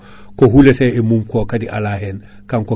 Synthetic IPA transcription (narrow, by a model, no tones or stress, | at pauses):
koɦuleseemuːmkokadiʔa̰laɦen | kaŋko